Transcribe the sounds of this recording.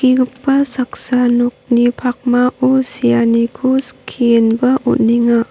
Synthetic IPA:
kiɡupːasaksanuk̚nipʰak̚mausijanikʰuskʰienbɐʔut̚niŋa

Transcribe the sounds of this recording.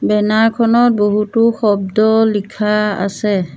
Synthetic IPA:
bɛnaɹkʰɔnɔt̚boɦutʊxɔbdɔlikʰaa̰sɛ

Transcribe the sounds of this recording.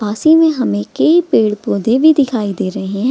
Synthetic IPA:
baːsimẽɦɐmẽkəipeːɽpoːd̪ebʱid̪ɪkʰaːid̪eːɾɐɦeɦɛ̃ː

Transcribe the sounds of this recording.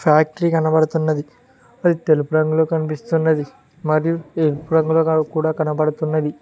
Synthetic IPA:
pʰaːk̚ʈɐɾiːkɐnɐpɐɽɐt̪unːɐd̪i | ɐd̪it̪e̞lupuɾɐŋɡuloːkɐnipist̪unːɐd̪i | mɐɾijuelupuɾɐŋɡuloːkuːɽaːkɐnɐpɐɽɐt̪unːɐd̪i

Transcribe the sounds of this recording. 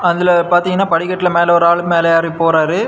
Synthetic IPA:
ɐðɪlɐpaːɾt̪iːŋɡɐnːaːpɐɽɪkːɐʈːɪlɐmeːlɐɔɾaːɭɯmeːlɐjaːɾipoːɾaːɾɯ

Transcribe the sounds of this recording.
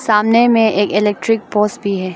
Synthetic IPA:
saːmnemẽʔeːkɪlɛːk̚ʈɾɪk̚poːsʈ̚bʱiɦɛː

